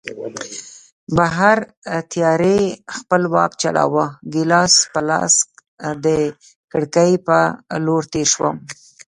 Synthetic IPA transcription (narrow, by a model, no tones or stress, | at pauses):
baɦaɾ | t̪jɑɾexpəlwɑ̰k̚t͡ʃaɽɑ̰wəɡɪlɑspəlɑ̰sk | d̪ə | kəɽkəjpəloɽt̪eɾʃwə̰m